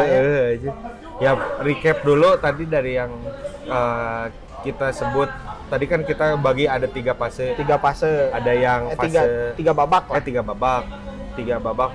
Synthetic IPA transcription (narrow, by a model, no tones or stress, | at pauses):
əhad͡ʒu | jarikɛp̚dulut̪adidaɾijaŋ | ə | kit̪asəbʊt̪̚ː | adikankit̪abaɡiadat̪iɡapasət̪iɡapasəadajaŋpasɡaət̪iɡababak̚at̪iɡababak̚ | t̪iɡababak